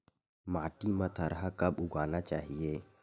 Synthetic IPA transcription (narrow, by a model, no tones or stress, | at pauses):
maːʈimɐt̪ʰɐɾɦakɐbʊɡaːnat͡ʃaːɦieː